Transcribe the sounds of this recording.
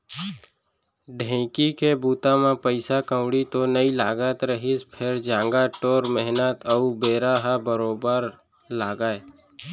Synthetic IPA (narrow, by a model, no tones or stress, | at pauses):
ɖʱɛ̃ːkikebuːt̪amãpəɪsakə̃ʊɽit̪onəilaːɡət̪ɾəɦɪspʰɪɾd͡ʒãːŋɡaʈoːɾmɛɦnət̪əubeːɾaɦabəɾoːbəɾ | laːɡaːe